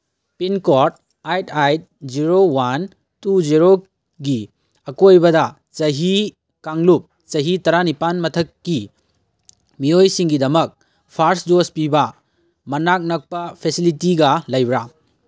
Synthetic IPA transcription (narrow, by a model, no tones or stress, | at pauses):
pinkoɾt̚ | ajtʰajt̚d͡ʒiɾowan | tud͡ʒiɾo | ɡi | ɐkojbɐdɐ | t͡ʃɐɦi | kaŋlup̚ | t͡ʃɐɦitɐɾanipanmɐtʰɐkːi | miojsiŋɡidɐmɐk̚ | pʰaɾsdospibɐ | mɐnak̚nɐk̚pɐpʰesilitiɡɐlɐjbɾa